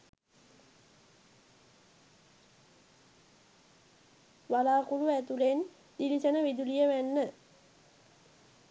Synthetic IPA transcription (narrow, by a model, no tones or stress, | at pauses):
ʋalaːkuluæt̪ulen | d̪ilisənəʋid̪ulijəʋænːə